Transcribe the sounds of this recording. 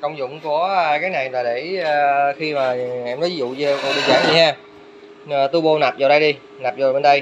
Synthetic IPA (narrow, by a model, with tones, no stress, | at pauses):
kə˧wŋ͡mzʊ̰˧˨ŋ͡mku˧˩ə˧kaː˨˦jna˨˩jlaː˨˩ɗeː˧˩˧xi˧maː˨˩ʔɛ˧mnɔ˨˦vi˦zṵ˧˨ɲə˧ko̰˧˨ɗɨ˨˧˩za̰ː˧˩˦mɗi˧haː˧˨˩ | t̪u˧ɓo˧na˨˩p̚za˨˩ɗə˧jɗi˧ | na˨˩p̚za˨˩ɓe˧nɗə˧j